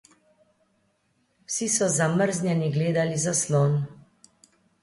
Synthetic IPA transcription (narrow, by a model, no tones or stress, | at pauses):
wsisɔzaməɾznʲjɛniɡleːd̪alizasloːn